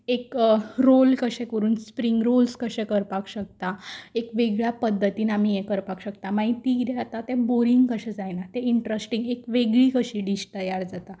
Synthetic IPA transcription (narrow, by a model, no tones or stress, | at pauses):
ekɾolkəɕɛ̃kəɾuːnspɾiŋɡɾolskəɕɛ̃kəɾpakɕək̚t̪aekʋeɡɭjapəd̪ʱːət̪iːnam̤ijẽkəɾpakɕəkt̪amaɦit̪iɡiɾeat̪at̪eboɾiŋɡkəɕɛd͡zajnat̪eiɳʈɾəsʈiŋɡekʋeɡɭiːkəɕiːɖisʈəjaɾd͡zat̪a